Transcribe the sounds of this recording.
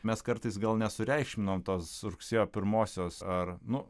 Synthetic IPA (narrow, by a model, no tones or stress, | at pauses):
mʲɛskɐɾt̪ɨɪsɡɐlˠnʲɛsʊɾʲɛɪkʃʲmʲɪnoːmt̪oːsɾʊksʲeːjoːpʲɪɾmoːsʲoːsɐɾnʊ